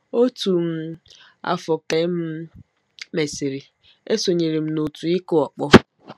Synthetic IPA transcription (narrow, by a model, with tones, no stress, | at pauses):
o˦tu˨m̩˦ | a̰˦fɔ˨ke˦m̩˦ | me˨si˨ɾi˨ | e˦so˨ɲe˨ɾi˨m̩˦no˨tu˨i˦kʊ˦ɔ˨k͡pɔ˦